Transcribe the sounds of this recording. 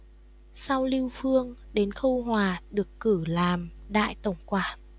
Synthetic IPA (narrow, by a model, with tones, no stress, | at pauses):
sa˧wli˧wfɨ˧əŋɗe˨˦nxə˧wɦwaː˨˩ɗɨ˨˩əkːɨ˧˩laː˨˩mɗa̰ː˧˨jt̪ə˨˧˩wŋ͡mkwaː˨˩